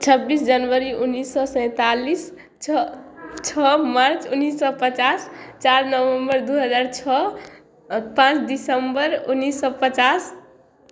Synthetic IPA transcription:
t͡ʃʰəbːisd͡ʒənʋəɾiʔunːisːɔsə̃ɪ̃t̪alis | t͡ʃʰɔmaɾt͡ʃunːisːɔpət͡ʃast͡ʃaɾnəʋəmbəɾd̪uɦəd͡ʒaɾt͡ʃʰɔ | pãt͡ʃd̪isəmbəɾunːisːɔpət͡ʃas

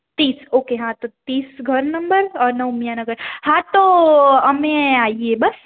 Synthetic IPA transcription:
t̪iːsoːkeɦãt̪ot̪iːsɡʱɐɾnɐ̃mbəɾɔːɾnɐʊmijanɐɡəɾhãt̪oɐmẽaːiebɐs

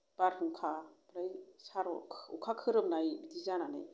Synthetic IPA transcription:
b̥aɾhuŋkʰabɾajsaɾɔ̰kʰukʰakʰɯɾɯm̚najbidizananḛj

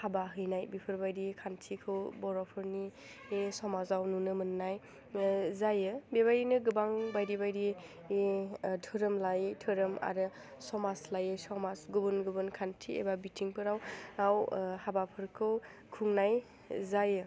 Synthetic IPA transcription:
habaɦɯjnajbipʰɯɾbajɾikʰantʰikʰɯwbɔɾɔpʰɯɾniː | sɔmazawnunɯmɯnːaj | zajɯbeβaɾinɯɡɯbaŋbajɾibajɾiː | tʰɯɾɯmlajɯtʰɯɾɯma̰ɾɯ | sɔmaslajɯsɔmasɡubɯnɡɯbɯnkʰantʰiḛbabitʰiŋpʰɯɾawawhabapʰɯɾkʰɯw | kʰuŋnaj | zajɯ

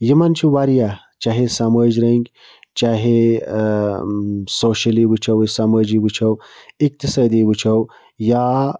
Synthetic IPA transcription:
jimant͡ʃʰiʋaːɾija | t͡ʃaɦesaməːd͡ʒɾɐŋɡʲ | t͡ʃaːɦe | soːʃɐliʋɨt͡ʃʰɐwsamɐːd͡ʒiʋɨt͡ʃʰɐwik̚t̪isaːd̪iʋɨt͡ʃʰɐw | ja

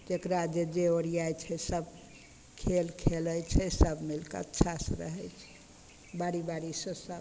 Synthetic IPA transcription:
t̪ekɾad͡ʒed͡ʒeoɽijajt͡ʃʰɛsəb | kʰelkʰelət͡ʃʰɛsəbmilkeə̰tːʃʰasə̃ɾə̰ɦɛjt͡ʃʰɛ̥ | baɽibaɽisẽsəb

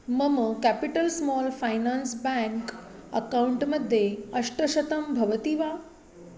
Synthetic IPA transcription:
mɐmkɛpiʈəlsmɔːlfajnaːnsbɛ̃ŋkɐ̰kauɳʈmɐd̪ʱjeɐʂʈɐʃɐt̪ɐmbʱɐʋət̪iʋaː

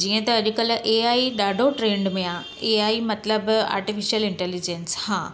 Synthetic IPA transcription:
d͡ʑiːə̃t̪ɐɐʄʊkəlʔeaːiɗaːɖʱoʈɾẽːɳɖmẽã | eaːimɐt̪ləba̰ːɾʈifiʃijəlɪ̃ɳʈelid͡ʑenshãː

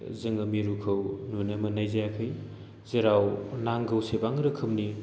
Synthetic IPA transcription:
zɯŋɐmiɾukʰɯwnunɐmɐnajzajakʰɯj | zeɾawnaŋɡɯwsebaŋɾɯkʰɯmni

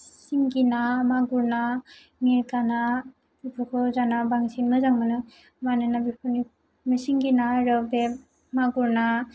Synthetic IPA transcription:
siŋɡinamaɡuɾna | miɾkana | b̥ipʰukʰɔzanabaŋsinmɯzaŋmanɯ | manɯnabipʰuni | misiŋɡinaɾɯbe | maɡuɾna

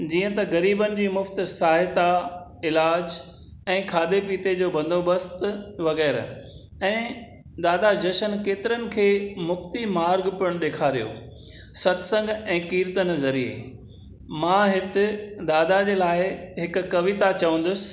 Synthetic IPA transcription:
d͡ʑiːə̃t̪ɐɣɐɾiːbənɪ̆d͡ʑiːmʊft̪̆saːɦɪt̪a | ɪlaːd͡ʑ | ɛ̃ːkʰaːd̪epiːt̪ed͡ʑoːbɐ̃nd̪ʱoːbəst̪ʋɐɣɛːɾ | ɛ̃ː | d̪aːd̪ad͡ʑɐʃənkeːt̪ɪɾənɪ̆kʰeːmʊft̪imaːɾɡpʊɽ̃ɗeːkʰaːɾijo̰ː | sɐt̪sə̃ŋɡɛ̃ːkiːɾt̪ənɪ̆zɐɾiḛ | mãːɦɪt̪ɪ̆d̪aːd̪ad͡ʑeːlaːɪɦɪkʊ̆kɐʋɪt̪at͡ɕɐʋə̃n̆d̪ʊsɪ̥̆

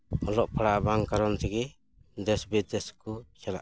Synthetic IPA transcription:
ɔlɔʔpʰaɽaʔbaŋkaɾɔnt̪ʰɛɡɛ | d̪ɛsbid̪ɛskɔt͡ʃala̰ʔ

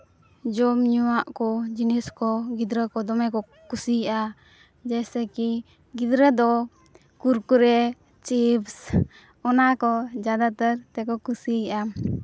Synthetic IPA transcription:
d͡ʒɔmɲuwaʔkɔd͡ʒiniskɔɡid̪ɾəkɔd̪ɔmɛkɔ | kusiʔa | d͡ʒɛsɛki | ɡid̪ɾəd̪ɔ | kuɾkuɾɛ | t͡ʃips | ɔnakɔd͡ʒad̪at̪əɾt̪ɛkɔkusiʔam

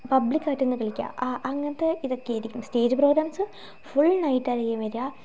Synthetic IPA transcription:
pɐblikʲːaːʈːenːɨkɐɭikʲːa̰ːʔɐŋːɐnɐt̪ːeiðo̞kːeiɾikʲːuɳumste̞ːd͡ʑɨproɡɾaːmsɨ | fuɭnɐjʈːɐɾɐjemeɾjaː

